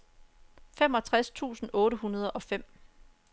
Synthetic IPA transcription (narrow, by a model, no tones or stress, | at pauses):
fem̰ɒ̽t͡sʰʁast͡sʰṵːsn̩ʔɔ̽ːɾəɦunɐð̞ˠʔɒ̽fem̰